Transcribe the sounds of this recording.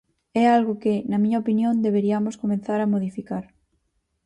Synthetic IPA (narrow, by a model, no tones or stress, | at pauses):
ɛalɣʊkenamĩɲaopinjõnd̪eβeɾiamoskomẽn̟θaɾamoðifikaɾ